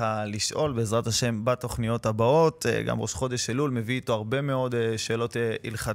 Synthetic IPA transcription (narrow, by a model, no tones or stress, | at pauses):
aliʃʔo̞lbeezʁathaʃe̞mbat̪o̞χnijo̞tabao̞t̪ɡa̰mʁoʃχo̞d̪e̞ʃelulme̞viːto̞aʁbe̞me̞o̞dʃe̞ːlo̞tḭlχa